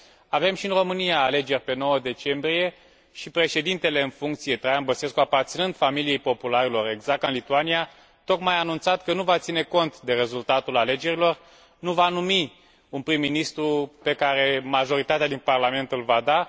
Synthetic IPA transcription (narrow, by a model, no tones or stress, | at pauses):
ave̞mʃiɨnro̞mɨnijaːle̞d͡ʒe̞rʲpe̞no̞wəd̪e̞t͡ʃe̞mbɾije̞ | ʃipɾe̞ʃe̞d̪int̪e̞le̞ɨnfuŋk̚t̪sije̞t̪ɾajambəse̞skuapart̪sinɨnd̪familije̞jpo̞pulaɾilo̞ɾe̞ɡzak̚t̪ɨnlit̪uania | t̪o̞kmajanunt̪sat̪kənuvat̪sine̞ko̞nt̪d̪e̞ɾe̞zult̪at̪ulale̞d͡ʒe̞ɾilo̞r | nuvanumi | unpɾimːinist̪ɾupe̞kaɾe̞maʒo̞ɾit̪at̪ead̪inparlame̞nt̪ɨlvad̪a